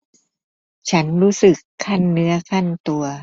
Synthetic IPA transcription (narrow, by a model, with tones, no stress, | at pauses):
t͡ɕʰa˦˥nɾuː˦˥sɯ˨˩kʰːa˥˩nːɯ˦˥ɐkʰa˥˩nt̪u˧ɐ